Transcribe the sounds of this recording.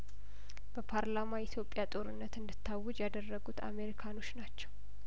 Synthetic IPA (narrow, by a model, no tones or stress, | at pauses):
b̥əpʰaɾlamajɪt̪ʰjo̞pʼjat̪ʼo̞ɾɨnːət̪ɨnd̪ɨt̪ʰːawːʊd͡ʒjad̪ərːəɡut̪ʰa̰me̞ɾikʰano̞t͡ʃːnat͡ʃːɛ̥w